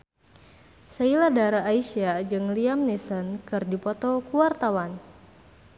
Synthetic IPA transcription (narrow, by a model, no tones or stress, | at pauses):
sailadaɾaːiʃiad͡ʒɨŋliamnisɔnkɨrdipɔt̪ɔkuwart̪awan